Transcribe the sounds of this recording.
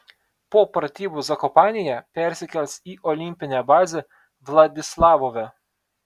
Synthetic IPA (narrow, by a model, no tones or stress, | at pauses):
poːpɾɐt̪ʲiːbuzɐkɔpɑːnʲɪjɛpʲɛɾʲsʲɪkʲɛlʲsʲiːʔɔlʲɪmʲpʲɪnʲɛbɑːzʲɛ | ʋlˠɐd̪ʲɪslˠɑːʋoʋʲɛ